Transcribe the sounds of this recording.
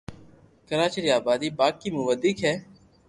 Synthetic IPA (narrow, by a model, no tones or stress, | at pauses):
kəɾaːt͡ʃəɾiaːbaːd̪iːbaːkːimʊʋəd̪ɪkɦɛː